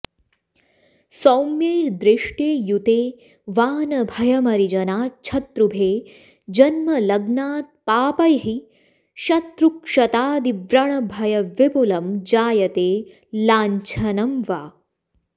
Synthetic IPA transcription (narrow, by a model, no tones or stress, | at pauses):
sɐwmjeːɾd̪ɾiʂʈeːjut̪eː | ʋaːnɐbʱɐjɐmɐɾid͡ʒɐnaːt͡ʃʰɐt̪ɾubʱeː | d͡ʒɐnmɐlɐɡnaːt̪̚paːpɐjɦi | ʃɐt̪ɾukʂɐt̪aːd̪iʋɾɐɳɐbʱɐjɐʋibulɐmd͡ʒaːjɐt̪eː | laːɲt͡ʃʰɐnɐmʋaː